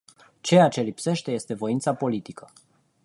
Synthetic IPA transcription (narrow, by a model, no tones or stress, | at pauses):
t͡ʃe̞jat͡ʃe̞lipse̞ʃt̪e̞je̞st̪e̞vo̞int̪sapo̞lit̪ikə